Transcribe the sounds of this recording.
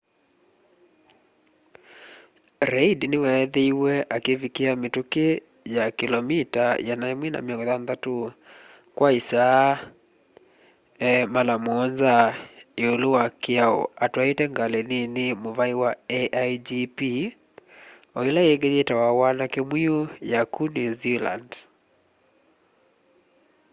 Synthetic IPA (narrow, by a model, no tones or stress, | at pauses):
ɾɛidnewɛːðeiwɛʔakevikeametuke | jakilɔmitajanaemwina̰miɔŋɡɔðanðatu | kwaisa | malamɔɔnzaioluwakiaɔ̰atwaitɛŋɡaleninimuvaiwaɛʔajd͡ʒipi | ɔilaɛɡɛɲɛtawawanakemwiɔjakunizila̰nd